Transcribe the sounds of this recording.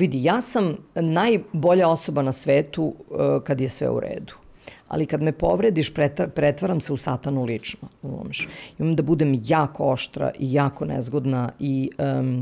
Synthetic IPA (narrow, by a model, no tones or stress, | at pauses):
ʋid̪ijaːsamnajbo̞ʎao̞so̞banasʋeːt̪ukad̪jesʋɛ̰ṵɾḛːd̪u̥a̰likad̪mepoʋɾed̪iʃpɾepɾɛt̪ʋaɾamseusat̪anulit͡ʂnoumo̰mʃimamd̪abud̪emjaːkooʃt̪ɾa̰ʔijaːko̞nɛ̰zɡod̪nai